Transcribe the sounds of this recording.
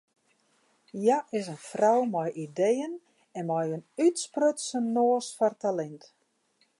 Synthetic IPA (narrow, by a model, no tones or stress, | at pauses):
jaʔɪsənfrɔwmɔjʔidejən | ɛnmɔjənytsprøtsənoːsfɔrtalɛnt